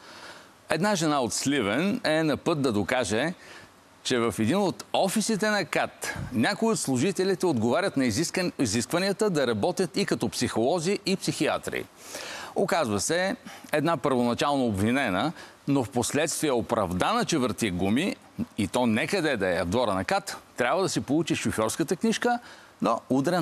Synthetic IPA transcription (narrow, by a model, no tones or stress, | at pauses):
ɛd̪naʒɛnaot̪slivɛnɛnɐpɤt̪̚d̪ɐd̪okaʒɛ | t͡ʃɛvɐfɛd̪inot̪ɔfisit̪ɛnɐkat̪nʲakoiot̪slˠʊʒit̪ɛlʲit̪ɛod̪ɡovaɾʲət̪nɐiiziskvɐniət̪əd̪ɐɾɐbɔt̪ʲjət̪ikɐt̪ɔpsixolˠɔziʔipsixia̰t̪ɾḭ | okazvəsɛɛd̪napəɾvonɐt͡ʃalˠnoːbvinɛnə | nofposlɛt̪st̪viɛopɾɐ̰vd̪anət͡ʃɛvəɾt̪iɡumi | it̪ɔnɛkɐd̪ɛd̪ɐɛɐvd̪vɔɾənɐkat̪ːɾʲabvəd̪ɐsɛpolˠut͡ʃiʃofjɔɾskət̪əkniʃkə | noud̪ɾɛ